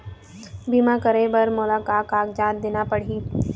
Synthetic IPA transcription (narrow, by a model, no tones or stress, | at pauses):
biːmakəɾebɐɾmʊlaːkaːkaːk̚d͡ʒaːt̪̚d̪eːnapɐɽ̤iː